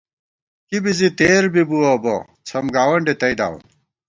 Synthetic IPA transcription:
kibizit̪eːɾbibuɐbo̰ | t͡sʰɐmɡaːwɐɳɖet̪ɐid̪a̰ːwṵn

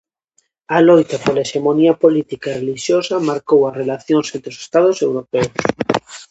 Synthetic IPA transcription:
alojt̪apolaeʃemoniapolit̪ikaereliʃjosamaɾkowarelaθjoŋsẽnt̪ɾeose̥st̪aðosewɾopeos

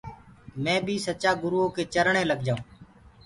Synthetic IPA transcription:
mɛ̃ːbʱiːsət͡ʃaːɡʊɾuːoːkeːt͡ʃəɾɳẽːləɡ̚d͡ʒaːũː

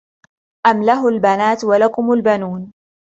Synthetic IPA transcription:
ʔamlaɦʊlbanaːt̪walakʊmalbanuːn

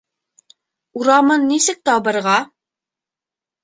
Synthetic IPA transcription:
uɾɑmɤnːisɘk̚t̪ɑbɤ̆ɾʁɑ

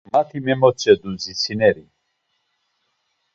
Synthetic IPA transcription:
mat̪ʰimɛmɔt͡sʼɛd̪uzisʰinɛɾi

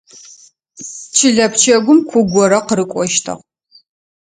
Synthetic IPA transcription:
t͡ʃʰɪɮɐpt͡ʃʰɐɡʷʊmkʷʰʊɡʷɔɾɐqɾɨkʷʼɔʃtʰɐ̰ʁ

